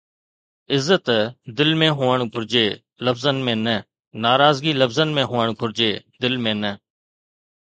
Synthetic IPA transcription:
ɪzːət̪d̪ɪlmẽːɦoːəɳɡʱʊɾd͡ʒeː | ləbzənmẽːnə | naːɾaːzɡiːləbzənmẽːɦoːəɳɡʱʊɾd͡ʒeːd̪ɪlmẽːnəː

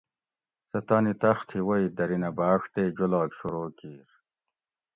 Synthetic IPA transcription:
sɐt̪aːnit̪ɐxt̪ʰhiwojd̪ɐɾinɐbaːʂt̪eːd͡ʑolaːkɕuɾoːkiːɾ

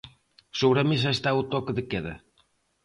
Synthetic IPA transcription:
soβɾamis̬ɐest̪aut̪ɔkeðɪkeðɐ̰

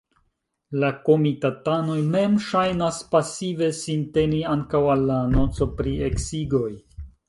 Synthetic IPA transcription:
lako̞mitatano̞jme̞mʃajnaspasive̞sinte̞niaŋkawalːano̞t͡so̞pɾieksiɡo̞j

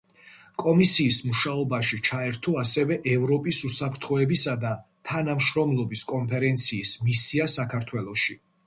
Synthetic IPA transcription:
kʼɔmisiːsmuʃaɔbaʃit͡ʃʰaɛɾt̪ʰɔasɛvɛʔɛvɾɔpʼisusapʰɾt̪ʰχɔɛbisad̪a | t̪ʰanamʃɾɔmlˠɔbiskʼɔnpʰɛɾɛnt̪sʰiːsmisiasakʰaɾt̪ʰwɛlˠɔʃi

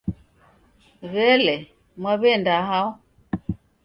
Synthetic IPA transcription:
ɣɛlɛ | mwaβɛndaɦaɔ

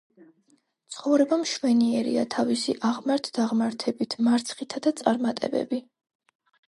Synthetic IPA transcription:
t̪sʰχɔvɾɛbamʃwɛniɛɾḭa̰t̪ʰavisiʔaʁmaɾt̪ʰd̪aʁmaɾt̪ʰɛbit̪ʰmaɾt̪sʰχit̪ʰad̪at̪sʼaɾmat̪ʼɛ̰bɛ̰bi

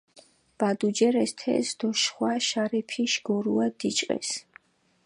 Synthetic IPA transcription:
b̥ad̪ud͡ʒɛɾɛst̪ʰɛ̰sd̪̥ɔʃχwaʃaɾɛpʰiʃɡ̥ɔɾuad̪̥it͡ʃʼqʼɛ̰s

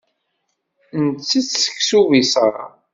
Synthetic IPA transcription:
nt͡sːət͡sːsə̥ksuvisəɾˤ

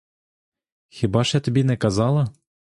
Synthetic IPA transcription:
xʲibɑʃɛt̪ʲɘ̆bʲinɛkɑzɑlˠɤ̆

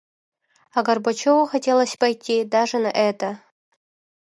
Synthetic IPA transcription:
aɡɐrbɐt͡ɕowɐxɐtʲelˠɐsʲpɐjt̪ʲʰːid̪aʐɨnɐʔɛt̪ɐ

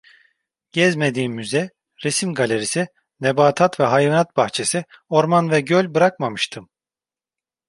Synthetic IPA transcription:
ɟ̥ɛzme̞d̪iːmːyzɛ | ɾesimɡalʲe̞ɾisi | nebaːt̪ʰat̪vɛɦajvanat̪̚baxt͡ʃʰe̞sio̞ɾmanvɛɟølʲbɯɾakmamɯʃt̪ʰɯm

